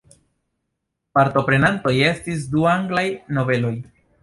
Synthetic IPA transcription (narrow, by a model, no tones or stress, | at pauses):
paɾto̞pɾe̞nanto̞je̞stis̬duaŋɡlajno̞ve̞lo̞j